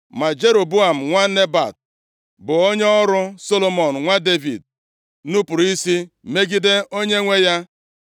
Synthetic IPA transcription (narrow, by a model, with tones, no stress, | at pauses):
ma˨d͡ʒe˦ɾo˨bu˦a˨m̩˨ŋʷa˦ne˦ba̰˨t̚ | bʊ˨o˦ɲ˦ɔ˦ɾʊ˦so˦lo˦mɔ˨n̩˨ŋʷa˦de˦vi˨d̚ | nu˦pʊ˨ɾi˦si˦ | me˦ɡi˦de˦o˦ɲe˦ŋʷe˦ja˦